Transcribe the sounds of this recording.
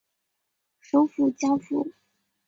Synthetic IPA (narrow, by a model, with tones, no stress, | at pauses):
ʂo˧˥ʊfu˨˩t͡ɕja˥fṵ˥˨˩